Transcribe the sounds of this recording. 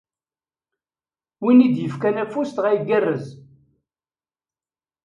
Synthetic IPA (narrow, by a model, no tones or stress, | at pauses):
winid̪jəfkænæfːust̪ʁæjəɡərːəz